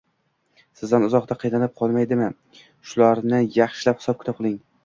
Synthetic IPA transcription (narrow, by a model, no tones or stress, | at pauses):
sɪzd̪anʊzɒqt̪aqʰɨjnanɪp̚qʰɒlˠmajd̪ɪmɪ | ʃʊlaɾnɪjɑχʃɪlaphɪ̥sɒp̚kʰʲt̪ɪp̚qʰɨlˠɪŋ